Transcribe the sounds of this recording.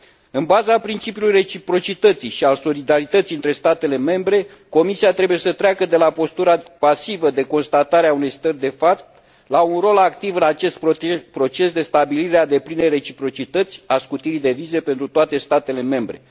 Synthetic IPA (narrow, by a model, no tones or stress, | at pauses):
ɨnbazapɾint͡ʃipjulujre̞t͡ʃipɾo̞t͡ʃit̪ət̪siʃialso̞lid̪aɾit̪ət̪sijɨnt̪ɾe̞st̪at̪e̞le̞me̞mbɾe̞ | ko̞misiat̪ɾe̞buje̞sət̪ɾeakəd̪e̞lapo̞st̪uɾapasivəd̪e̞ko̞nst̪at̪aɾeaune̞jst̪ərʲd̪e̞fat̪ | launro̞lakt̪ivɨnat͡ʃe̞st̪̚pɾo̞t͡ʃe̞sd̪e̞st̪abiliɾead̪e̞plinejre̞t͡ʃipɾo̞t͡ʃit̪ət̪sʲaskut̪iɾid̪e̞vize̞pe̞nt̪ɾut̪oat̪e̞st̪at̪e̞le̞me̞mbɾe̞